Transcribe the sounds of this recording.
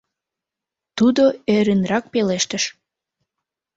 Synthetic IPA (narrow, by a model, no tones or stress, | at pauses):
t̪ud̪oeɾynrɑk̚peleʃt̪əʃ